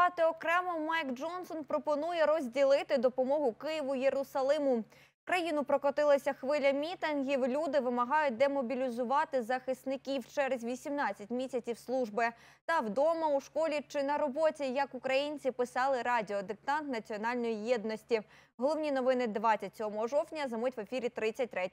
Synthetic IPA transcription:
ɑt̪eɔkɾɛmɔmɑjkd͡ʒɔnsɔnpɾɔpɔnujɛɾɔzʲdʲilˠɪt̪ɪd̪ɔpɔmɔɦʊkɪjiʋʊjeɾʊsɐlˠɪmʊ | kɾɐjinʊpɾɔkɔt̪ɪlˠɐsʲɐxʋɪlʲɐmʲit̪ɪnɦʲiwlʲud̪ɪʋɪmɐɦɑjʊt̚ʲd̪ɛmɔbʲilʲizʊʋɑt̪ɪzɐxɪst̪nɪkʲiwt͡ʃɛɾezʲʋʲisʲimnɑt͡sʲːɐtʲmʲisʲɐt͡sʲiwslˠuʒbɪ | t̪ɐwd̪ɔmɐuʃkɔlʲit͡ʃɪnɐɾɔbɔtʲijɐkukɾɐjinʲt͡sʲipɪsɑlˠɪɾɑdʲɪɔd̪ɪk̚t̪ɑnt̪nɐt͡sʲiɔnɑlʲnɔjijɛd̪nɔsʲtʲi | ɦɔlˠɔwnʲinɔʋɪnɪd̪ʋɑt͡sʲːɐtʲsʲɔɦɔmɔɦɔʒɔwtʲnʲɐzɐmutʲʋefʲiɾʲit̪ɾɪt͡sʲːɐt̚ʲt̪ɾɛtʲ

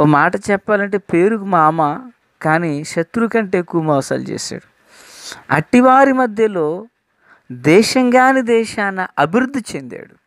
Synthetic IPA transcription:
oːmaːʈɐt͡ʃɛpːaːlɐɳʈe̞ːpe̞ːɾukumaːmɐ | kaːniːʃɐt̪ɾukɐɳʈe̞ːkuːmɐʋɐsa̰ːlt͡ʃḛːsa̰ːɽu | ɐ̰ʈːiʋaːɾimɐd̪ʱjɐlo̞ː | d̪ɛːʃɐŋɡaːnid̪ɛːʃaːnːɐʔɐbʱiɾud̪ʱːit͡ʃe̞nd̪a̰ːɽu

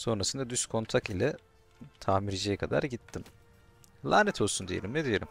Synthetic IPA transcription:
so̞nɾasɯnd̪ad̪yskʰo̞nt̪ʰakilʲɛ | t̪ʰaːmiɾd͡ʒɛjɛkʰad̪a̰ɾɟit̪ʰːim | lˠaːnɛt̪ʰolˠsund̪ijelʲimned̪ijelʲim

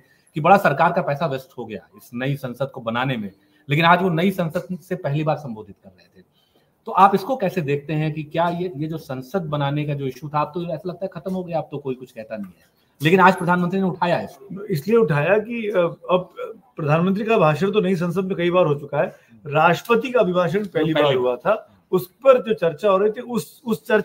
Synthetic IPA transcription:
kibɐɽasɐɾkaːɾkapɛːsaʋɪsʈɦoɡɐja̰ɪsnɐisɐ̃nsəd̪̚kobɐnaːnemẽ | leːkɪnaːd͡ʒʋonɐisɐ̃nsəd̪̚sepɛɦlibaːɾsɐ̃mboːd̪ʱɪt̪kɐɾːɐɦet̪ʰeː | t̪oʔaːpɪskokɛːsed̪eːk̚ʰt̪eɦɛ̃kikjaːjejed͡ʒoːsɐ̃nsəd̪̚bɐnaːnek̬ad͡ʒoːɪʃut̪ʰaaːp̚t̪oɛːsalɐɡ̚t̪aɦɛxʰɐt̪əmɦoɡɐjaːp̚t̪okoːikʊt͡ʃʰkɛɦt̪anɐɦĩɦɛ̰ː | leːkɪnaːd͡ʒpɾɐd̪ʱaːnmə̃nt̪ɾineʊʈʰaːjaɛɪskoɪslieʊʈʰaːjakiɐb̚pɾɐd̪ʱaːnmə̃nt̪ɾikabʱaːʃəɽ̃t̪̬onɐis̬ɐ̃ns̬əd̪̚mẽkɐibaːɾɦot͡ʃʊkaɦɛː | ɾaːʈəpət̪̬ikaɐbʱɪbʱaːʃ̬əɽpɛɦlipbaːiɾɦuat̪ʰa | ʊspɐɾd͡ʒoːt͡ʃɐɾt͡ʃaɦoːɾɐɦit̪ʰiʊs | ʊst͡ʃɐɾ

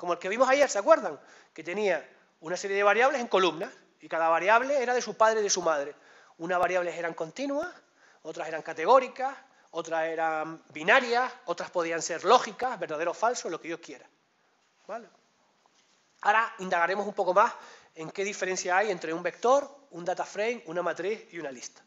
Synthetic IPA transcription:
ko̞moelke̞βimo̞saje̞ɾseakwe̞ɾðaŋ | ke̞t̪e̞nia | unase̞ɾjeðe̞βaɾjaβle̞se̞ŋko̞lumnas | ikaðaβaɾjaβle̞eɾaðe̞supaðɾeðe̞sumað̞ɾe̞ | unazβaɾjaβlese̞ɾaŋko̞nt̪inwas | o̞t̪ɾase̞ɾaŋkat̪e̞ɣ̞o̞ɾikas | o̞t̪ɾase̞ɾambinaɾjaso̞t̪ɾaspo̞ð̞ianse̞ɾlo̞xikahβe̞ɾðaðeofalso̞lokejo̞hkje̞ɾa | bale | aɾaind̪aɣaɾe̞mo̞sumpo̞ko̞mas | e̞ŋke̞ðife̞ɾe̞nsjaaje̞nt̪ɾe̞umbe̞k̚t̪o̞ɾund̪at̪afɾejŋunamat̪ɾihiunalist̪ḁ

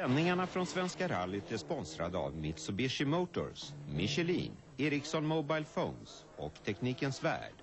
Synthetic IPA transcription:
ɛnːɪŋaɳafɾɔnsvɛnskaɾalːɪt̪ɛʂpɔnsɾad̪əa̰vmɪt̪sɔbɪʂɪmoːt̪ʊ̰smɪɕɛlḭːn | eːɾɪksɔnmɔbajlfoʊns | ɔ̰kt̪ʰɛkniːkənsvæ̰ːɖ̥

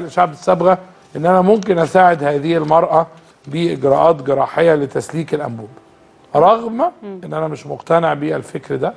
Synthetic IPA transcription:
lʃaʕbɪsːæbɣæ | ʔenːʔænæmomkenʔæsaːʕed̪hæːðɪhɪlmɑɾˤʔɑ | biːʔeɡɾˤæːʔɑːt̪ɡeɾˤɑ̰ːħejːælet̪æsliːkelʔæ̰mbuːb | ɾˤɑɣmæʔenːʔænæmeʃmoqt̪æneʕbiːʔælfekɾd̪æ

